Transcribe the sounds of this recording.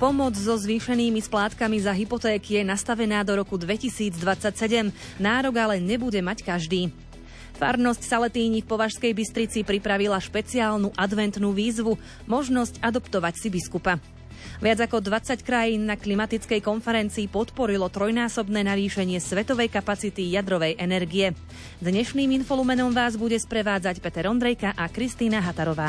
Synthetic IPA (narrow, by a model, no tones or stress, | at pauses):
pɔmɔd͡zzɔzʋiːʃɛniːmisplaːt̪kamizaɦipɔt̪ɛːkijɛnast̪aʋɛnaːd̪ɔɾɔkud̪ʋɛcisiːd͡zd̪ʋat͡sacsɛɟɛm | naːɾɔɡalɛɲɛbuɟɛmackaʒd̪iː | fa̰ɾnɔscsalɛt̪iːɲifpɔʋaʃskɛjbist̪ɾit͡sipɾipɾaʋilaʃpɛt͡siaːlnuʔad̪ʋɛnt̪nuːʋiːzʋu | mɔʒnɔscad̪ɔpt̪ɔʋacsibiskupa | ʋɪad͡zakɔd̪ʋat͡sackɾajiːnːaklimat̪it͡skɛjkɔnfɛɾɛnt͡siːpɔt̪pɔɾilɔt̪ɾɔjnaːsɔbnɛːnaʋiːʃɛɲɪɛsʋɛt̪ɔʋɛjkapat͡sit̪ijad̪ɾɔʋɛjʔɛnɛɾɡijɛ | d̪ɲɛʃniːminfɔlumɛnɔmʋaːzbuɟɛspɾɛʋaːd͡zacpɛt̪ɛɾɔnd̪ɾɛjkaʔakɾist̪iːnaɦat̪aɾɔʋaː